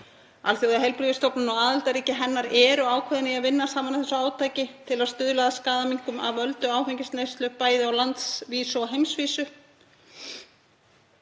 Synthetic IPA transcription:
a̰lθjowðaɦɛlpɾivɪst̪ɔpnʏnɔwaːðɪlt̪aɾiːcɪɦɛnːaɾɛːɾʏaːwkʰvɛðɪnɪaðvɪnːasaːmanaθɛsːaːwt̪ʰaːjcɪt̪ʰɪlaðst̪ʏːðʏlaːðaskaːðamiŋ̥kʏma̰vœlt̪ʏaːwfɛɲcɪst̪nejst̪lœːk̚pːaːjðɪawlant̪sviːsʏɔɦejmsviːsʏ

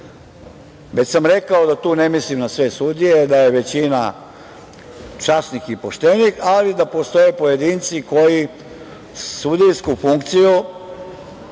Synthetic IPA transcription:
ʋesamɾe̞kao̞d̪at̪uːne̞mislimnasʋe̞sud̪ije̞d̪aje̞ʋe̞t͡ɕina̰ | t͡ʃasnixipoʃt̪eʋnixalid̪apo̞st̪o̞jepo̞je̞d̪int̪siko̞ji | sud̪ijskufuŋkt̪siju

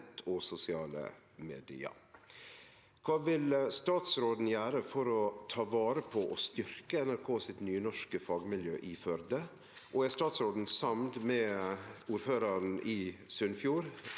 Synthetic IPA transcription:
t̪ʰɔsʊsɪɑːlə̰ | mḛːd̪ɪ̰ə̰ | kʰʋɑːʋɪlst̪ɑːt̪sɾoːd̪n̩jæːɾəfɔɾɔt̪ʰɑːʋɑːɾəpʰɔʔɔst̪ʏɾkəɛnæɾkʰoːsɪt̪nyːnɔʂkəfɑːɡmɪljøːʔifœɾd̪ə | ʔoæst̪ɑːt̪sɾoːd̪n̩sɑmd̪mɛːuːɾføːɾɑɾn̩ʔiːsʉnfjuːɾ

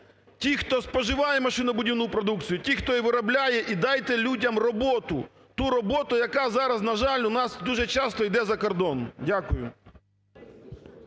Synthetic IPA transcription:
tʲixt̪ɔspɔʒɪʋɑjɛmɐʃɪnɐbʊdʲiwnʊpɾɔd̪ukt͡sʲijʊtʲixt̪ɔiʋɪɾɐblʲajɛʔid̪ɑjt̪ɛlʲudʲɐmrɔbɔt̪ʊ̰ | t̪uɾɔbɔt̪ʊjɐkɑzɑɾɐznɐʒɑlʲʊnɑsd̪uʒɛt͡ʃɑst̪ɔjd̪ɛzɐkɔrd̪ɔndʲakʊjʊ̰

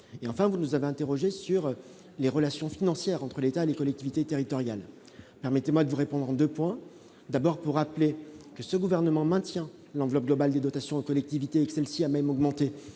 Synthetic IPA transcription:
eɑ̃fɛ̃vunuzaveɛ̃t̪eʁɔʒesyʁ | leʁəlasjɔ̃finɑ̃sjɛʁɑ̃t̪χəlet̪aelekɔlɛk̚t̪ivit̪et̪eʁit̪ɔʁjal | pɛʁmɛt̪emwad̪əvuʁepɔ̃d̪ʁɑ̃d̪øpwɛ̃ | d̪abɔʁpuʁːaplekəsəɡuvɛʁnəmɑ̃mɛ̃t̪jɛ̃ | lɑ̃vlɔp̚ɡlɔbald̪ed̪ɔt̪asjɔ̃okɔlɛk̚t̪ivit̪eːkə̥sɛlsiamɛmɔɡmɑ̃t̪e

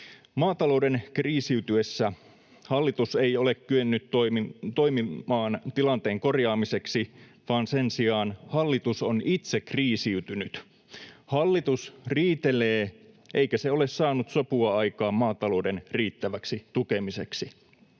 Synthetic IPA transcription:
mɑːt̪ɑlo̞udenkriːsiyt̪yesːæ | hɑlːit̪use̞jole̞kkyønːyt̪ːomit̪ojmimɑːnt̪ilɑnt̪e̞ːŋko̞rjɑːmise̞ksi | ʋɑːnsensiɑːnhɑlːit̪uso̞nit̪sekriːsiyt̪ynyt̪ | hɑlːit̪usriːt̪eleː | ʔeikæseo̞le̞ssɑːnut̪sopuɑɑjkɑːmmɑːt̪ɑlo̞ːde̞nriːt̪ːæʋæksit̪ukemise̞ksi

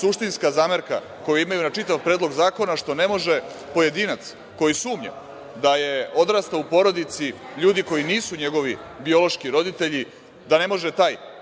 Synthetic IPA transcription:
suʂt̪inskazaːmeɾka̰ | ko̞juimajunat͡ʂit̪aʋpɾe̞ːd̪lˠo̞ɡzaːko̞naʂt̪o̞ne̞mo̞ʒe | po̞je̞d̪iːnat̪s | ko̞jisuːmɲa̰ | d̪aje̞o̞d̪ɾaːst̪aupo̞ɾo̞d̪it̪siʎuːd̪iko̞jiniːsuɲe̞ɡo̞ʋi | bio̞lo̞ʃkiɾo̞d̪it̪eʎi | d̪ane̞mo̞ʒet̪aːj

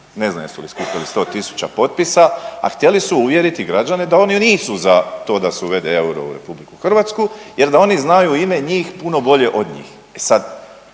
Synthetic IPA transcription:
ne̞zna̰josuliskupʲalist̪o̞ːt̪isu̥t͡ɕapo̞t̪̚pisaa̰xt̪je̞lisuuʋje̞ɾit̪iɡɾad͡ʑane̞d̪ao̞niniːsuzat̪o̞ːd̪aseuʋe̞d̪ee̞uɾo̞̰ṵɾe̞̰publiku̥xr̩ʋat̪skuje̞ɾd̪ao̞niznajuime̞ɲiːxpuno̞bo̞ʎe̞ʔo̞d̪ɲḭːx | e̞sad̪

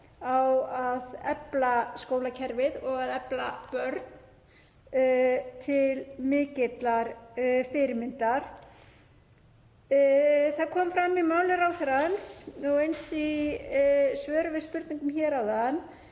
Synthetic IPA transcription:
awaðɛplaskoːwlacʰɛɾvɪðɔɣaðɛplapœɾt̪n | t̪ʰɪlmɪːcɪt̪laɾfɪɾɪmɪnt̪aɾ̥ | θaðkʰɔːmfɾamːimaːwlɪɾawθɛɾansɔejnsi | svœːɾʏvɪðspʏɾt̪niŋkʏmçɛɾawðanː

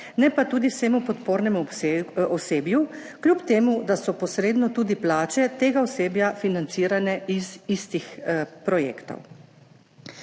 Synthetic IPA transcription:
nɛpat̪uːd̪iseːmupɔt̪poːɾnɛmuɔseːbju | klʲupt̪eːmud̪asɔpɔsɾeːd̪nɔt̪uːd̪iplaːt͡ʃɛt̪eːɡaɔseːbjafinant̪siːɾanɛizist̪ixpɾɔjḛːkt̪ɔ̰w

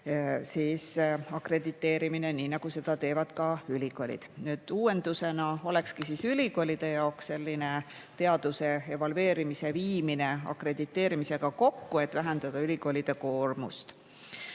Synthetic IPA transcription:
siːsɑkre̞d̪̥it̪ːe̞ːɾimine̞niːnɑɡ̥use̞d̪̥ɑt̪e̞ːvɑd̪̥kɑylʲiɡ̥o̞lʲḭd̪̥nyːd̪̥uːwe̞nd̪̥use̞nɑo̞le̞kskisisylʲiko̞lʲid̪̥e̞jɑoksːe̞lʲːine̞ | t̪e̞ɑd̪̥use̞e̞vɑlwe̞ːɾimise̞viːmine̞ɑ̰kre̞d̪̥it̪ːe̞ːɾimise̞ɡ̥ɑko̞kːue̞t̪væɦend̪̥ɑd̪̥ɑylʲiɡo̞lid̪̥e̞ko̞ːrmṵst̪

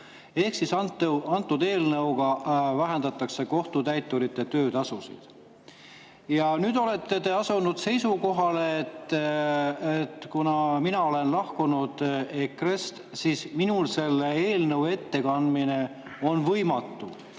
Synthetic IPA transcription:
e̞hksisɑnt̪ːeɑnt̪ːˑud̪e̞ːlnɤwɡɑvæɦend̪ɑt̪ːˑɑkse̞ko̞ht̪ut̪æjt̪ˑːuɾit̪ːˑe̞t̪ø̞ːt̪ɑsusḭd̪̥ | jɑnyːd̪̥o̞le̞t̪ːe̞t̪e̞ɑsunud̪̥se̞jsuko̞ɦɑleːt̪ː | et̪ːkunɑminɑo̞le̞nlɑhkunud̪̥ekre̞st̪siːsminulse̞lːee̞ːlnɤwe̞t̪ːe̞kɑnd̪mine̞ | o̞nvɤjmɑt̪ːu

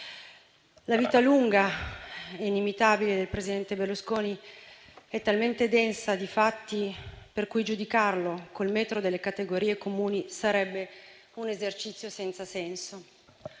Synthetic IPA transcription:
laviːt̪aluŋɡa | einimit̪aːbiled̪elpɾezid̪ɛnt̪ebelːuskoːni | ɛt̪ːalment̪ed̪ɛnsad̪ifat̪ːiperkujd͡ʒud̪ikarlokolmɛːt̪ɾod̪elːekat̪eɡoɾiːekomuːnisaɾɛbːe | unezert͡ʃit̪sjosɛnt̪sasɛnso

